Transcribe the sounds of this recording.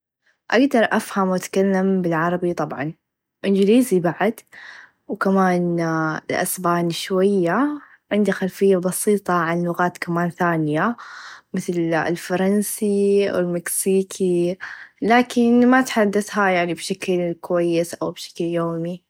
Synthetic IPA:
ʔaɡd̪ɑɾˤʔafhamwʔat̪kalːambɪlʕɑɾˤɑbit̪ˤɑbʕɑ̰n | ʔɪnd͡ʒliːzibaʕad̪ | wkamaːnɪlʔa̰sbaːnʃwajːa | ʕɪnd̪ixalfɪjːabɑsiːt̪ˤɑʕanlʊɣaːt̪kamaːnθaːnjamɪθl̰lfɑɾˤɑnsiwɪlmɪksiːkʰi | laːkɪnmat̪ħad̪ːaθɦajaʕnibʃaklkʊwajːɪsʔa̰wbʃḁkljoːmi

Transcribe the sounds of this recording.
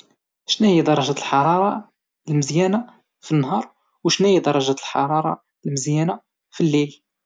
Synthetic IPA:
ʃnæhijd̪ɑɾˤɑʒæt̪lħɑɾˤɑɾˤɑ | lməzjæna | finːɦɑɾˤ | wʃnæjid̪ɑɾˤːɑʒæt̪əlħɑ̰ɾˤɑɾˤɑ̰ | lməzjæna | filːil

